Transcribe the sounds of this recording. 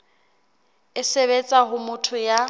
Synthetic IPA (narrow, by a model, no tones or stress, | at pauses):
ɪseβet͡sʼaɦʊmʊtʰʊja